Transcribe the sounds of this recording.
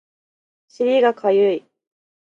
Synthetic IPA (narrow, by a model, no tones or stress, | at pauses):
ɕiɾʲiɡakʰajɯi